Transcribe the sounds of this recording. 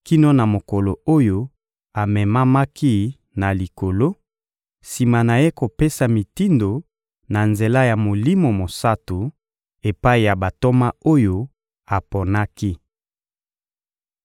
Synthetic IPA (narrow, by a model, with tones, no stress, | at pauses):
ki˦no˦na˨mo˨ko˨lo˨o˦jo˦ | a˨mɛ˨ma˦ma˦ki˦ | na˨li˨ko˨lo˦ | si˨ma˨na˨je˦ko˨pe˦sa˨mi˨ti˦ndo˨ | na˨nze˨la˦ja˨mo˨li˦mo˨mo˨sa˦tu˨ | e˨pa˦i˨ja˨ba˨to˦ma˦o˦jo˦ | a˨po˨na˦ki˦